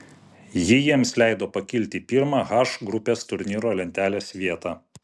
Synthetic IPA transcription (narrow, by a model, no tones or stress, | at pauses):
jɪjiɛmslʲɛˑɪd̪oːpɐkʲɪlʲt̪ʲipʲiɾmɑːɣɑːʃɡɾʊpʲeːst̪ʊɾʲnʲiːɾoːlʲɛnʲt̪ʲæːlʲeːsʲʋʲiɛt̪ɑː